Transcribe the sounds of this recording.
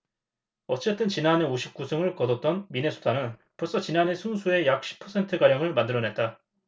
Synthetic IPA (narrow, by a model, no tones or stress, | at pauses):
ʌt͡ɕ͈e̞t͈ɯnt͡ɕinane̞oɕʰip̚k͈usʰɯŋɯɭkʌdʌt̚t͈ʌnmine̞sʰu̥tʰanɯnpuos͈ʌt͡ɕinane̞sʰunsʰue̞jak̚ɕ͈i̥pʰʌsʰe̞ntʰɯɡaɾjʌŋɯɭmandɯɾʌne̞t̚t͈a